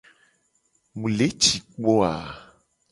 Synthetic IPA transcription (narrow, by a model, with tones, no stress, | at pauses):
mũ˨le˨˦t͡ʃi˨k͡pɔ˦a˨